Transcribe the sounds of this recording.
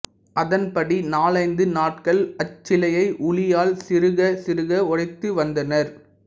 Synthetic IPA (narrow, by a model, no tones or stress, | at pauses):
ʔɐðɐnpɐɽinaːlɐɪnd̪ɯnaːʈ̚kɐɭɐt͡ʃːɪlɐjɐɪʔʊɭɪjaːlsɪɾɯɣɐsɪɾɯɣɐɔɽɐɪt̪ːɯʋɐnd̪ɐnɐɾ